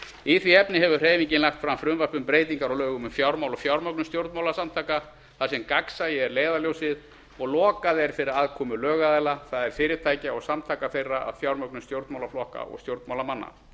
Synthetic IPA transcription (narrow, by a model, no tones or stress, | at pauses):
iθviɛpnɪɦɛvʏr̥eːjviɲcɪnlaxkt̪fɾamfɾʏnvapʏmpɾeːjt̪iŋkaɾɔwlœːɣʏmʏmfjawɾmawlɔfjawɾmœk̚nʏmst̪jowɾt̪mawlasamt̪ʰaːjka | θasɛmkaksajɛɛɾleːjðaljowsɪð | ɔɣlɔːkaðɛɾ̥fɪɾɪɾaðkʰɔːmʏlœːɣaðɛlaθaðɛɾ̥fɪːɾɪɾt̪ʰaːjcaɔsamt̪ʰajkaθejrːaʔa̰ðfjawɾmœknʏst̪jowɾt̪mawlaflɔhka̰ʔɔ̰ɣst̪jowɾt̪mawlamanːa̰